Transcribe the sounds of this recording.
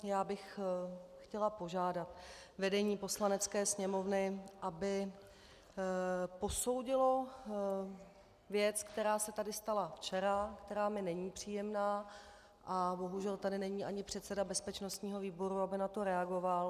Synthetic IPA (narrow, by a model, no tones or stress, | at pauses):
jaːbɪx | xcɛlapo̞ʒaːdat̪vɛdɛɲiːpo̞slanɛt͡skɛːsɲɛmo̞vnɪʔabɪ | po̞so̞wɟɪlo̞ | vjɛt͡skt̪ɛɾaːsɛt̪adɪst̪alaft͡ʃɛɾakt̪ɛɾaːmɪnɛɲiːpr̝̥iːjɛmnaː | ʔabo̞ɦuʒɛlt̪adɪnɛɲiːʔaɲɪpr̝̥ɛt̪sɛdabɛspɛt͡ʃno̞st̪ɲiːɦo̞viːbo̞ɾuabɪnat̪o̞ɾɛaɡo̞val